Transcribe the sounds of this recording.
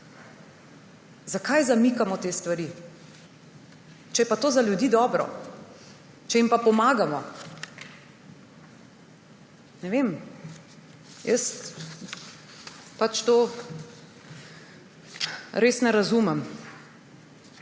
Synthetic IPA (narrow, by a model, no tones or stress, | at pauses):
zakajzamikamɔt̪eːst̪ʋaɾi | t͡ʃɛjɛpat̪oːzaljud̪iːd̪ɔːbɾɔ̰ | t͡ʃɛimpapɔmaːɡamɔ | nɛʋeːm | jəs | pat͡ʃt̪oː | ɾeːsnɛɾazuːmɛm